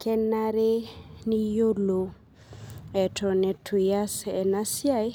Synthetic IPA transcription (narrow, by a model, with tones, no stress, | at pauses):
kʰɛ˦na˦ɾe˦ni˦jo˦lo˨ | ɛ˨tɔ˨nɛ˨tʰi˨ja˦sɛ˨na˦sja˦j